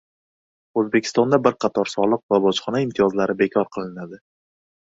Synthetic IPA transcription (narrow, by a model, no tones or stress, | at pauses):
ɵzbekʲʰɪst̪ɒnd̪abɪɾqʰɑt̪ʰɒɾsɒlˠɨqvabɒt͡ʃχɒnaɪmt̪ʰijɒzlaɾɪbe̞kʲʰɒɾqʰɨlˠɪnad̪ɪ